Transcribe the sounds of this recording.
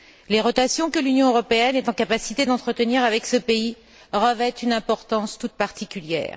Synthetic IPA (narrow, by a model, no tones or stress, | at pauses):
leʁɔt̪asjɔ̃kəlynjɔ̃øʁɔpeɛnɛt̪ɑ̃kapasit̪ed̪ɑ̃t̪χət̪əniʁavɛksəpei | ʁəvɛt̪ynɛ̃pɔʁt̪ɑ̃st̪ut̪̚paʁt̪ʰikʲyljɛ̰ːʁ